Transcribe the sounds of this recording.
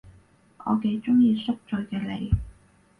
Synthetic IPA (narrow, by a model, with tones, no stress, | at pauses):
ʔɔ̰ː˨˧ke˨˧jt͡sʊ˥ŋjiː˧sʊ˥k̚t͡ʃɵ˨˧jkɛː˧lḛ˨˧j